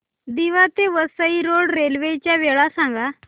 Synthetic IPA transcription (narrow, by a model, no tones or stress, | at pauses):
d̪iʋat̪eʋəsəiɾoɽɾelʋet͡ɕjaʋeɭasãŋɡa